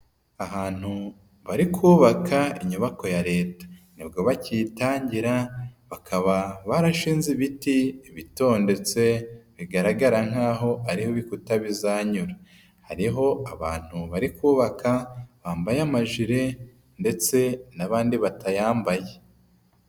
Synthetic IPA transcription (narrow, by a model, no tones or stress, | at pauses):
aɦaːn̥hu | βaɾikʰuːβakʰaiɲuβako̞jaɾe̞ːtḁnibɡo̞βaciːtaːɲɟiɾaβakʰaβaβaɾaʃiːnziβitiβito̞ːnde̞t͡se̞βiɡaɾaɡaɾaŋ̥haːɦo̞aɾihoβikutaβizaːɲuɾa | haɾiɦo̞aβa̰ːn̥huβaɾikʰuːβakʰaβaːmbajamaʒiɾe̞ | nde̞t͡se̞naβaːndiβatajaːmbaje